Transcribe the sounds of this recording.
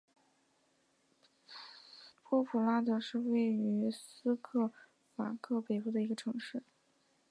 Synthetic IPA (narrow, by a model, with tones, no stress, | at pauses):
pʰwɔ˥pʰu˨˩la˥d̪ə˧ʂɻ̩˥˧we˥˩ɪy˧˥ssɹ̩˥kʰɤ˥˩ | fa̰˨˩kʰɤ˥˩pe˨˩ɪpu˥˩d̪ə˩i˧˥ɡə˧ʈ͡ʂʰɤ˧˥ŋʂɻ̩˥˩